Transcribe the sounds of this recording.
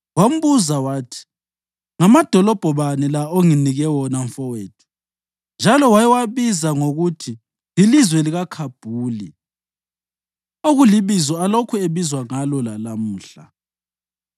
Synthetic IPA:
wam̩βuzawaːtʰi̥ | ŋamad̥ʱɔlɔb̥ʱɔβanilaoŋiniɣɛwɔnaɱfɔweːtʰu̥ | nd͡ʒʱalɔwajɛwaβizaŋoɣutʰi | lilizwɛliɣakʰab̥ʱuːli | oɣuliβizɔalokʰueβizwaŋalɔlalamuːɬa̰

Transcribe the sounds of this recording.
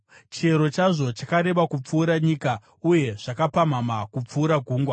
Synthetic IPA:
t͡ʃe̞ɾo̞t͡ʃaʐo̞t͡ʃakaɾe̞ʋakup͡fuːɾaɲiːka | uje̞ʐ̥akapam̤amakup͡fuːɾaɡʱuːŋɡwa

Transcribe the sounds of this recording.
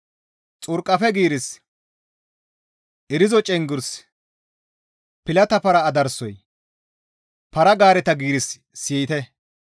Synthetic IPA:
t͡sʼʊɾkʼːɐfɛɡiːɾɪs | ʔɪɾɪzɔt͡ʃʼɛŋɡʊɾs | pɪlɐt̪ɐpɐɾɐːd̪ɐɾsɔj | pɐɾɐɡaːɾɛt̪ɐɡiːɾɪsː | iːt̪ɛ

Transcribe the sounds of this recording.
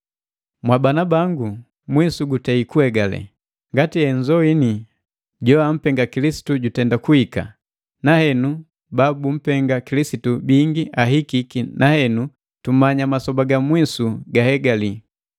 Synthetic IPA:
mwabanabaŋɡu | mwisuɡutaikuɛɡalɛ̰ | ŋɡatiɛɲd͡ʒɔini | ɟɔam̩pɛŋɡakilisi̥tuɟutɛndakuhika̰ | nahɛnu | babum̩pɛŋɡakilisitubiŋɡiʔaɦikikinʔahɛnu | tumaɲamasɔbaɡamwisuɡahɛɡali

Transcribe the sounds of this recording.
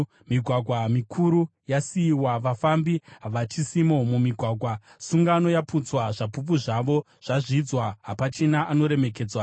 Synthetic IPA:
miɡʱwaɡʱwamikʰuɾujasiːwaʋafambiɦaʋat͡ʃisimo̞mumiɡʱwaːɡʱwasuŋɡano̞japut͡swaʐapup̬uʐaʋo̞ | ʐ̥aʐid͡zwaɦapat͡ʃe̞naʔano̞ɾe̞me̞k̬e̞ːd͡zwa

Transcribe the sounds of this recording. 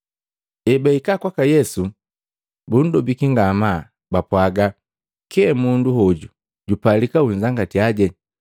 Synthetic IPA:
ɛbaikakwakajɛsu | bun̩dɔbikiŋɡama | bapwaɡa | kɛɛmunduɦɔɟu | ɟupalikauɲd͡ʒaŋɡatiaɟɛ

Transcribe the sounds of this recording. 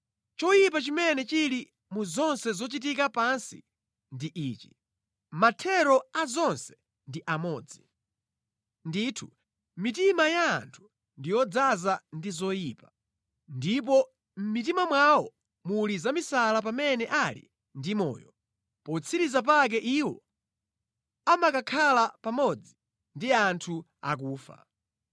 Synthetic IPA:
t͡ʃɔjip̬at͡ʃimɛnɛt͡ʃiɾi | muzɔnsɛzɔt͡ʃit̬ikapansḭ | ndiʔiːt͡ʃi̥̰ | matʰɛɾɔazɔnsɛ̥ | ndiʔamɔːd͡zi | ndiːtʰu | mitimaja̰ːntʰu̥ | ndijɔd͡zazandizɔjipa | ndip̬ɔ | m̩mit̬imamwawɔ | mulizamisalap̬amɛnɛʔalḭ | ndimɔ̰ːjɔ̰ | pɔt͡sʰiɾizap̬ak̬ɛʔiwɔ | amakakʰalapamɔd͡zi | ndiantʰu | a̰k̬uːfa̰

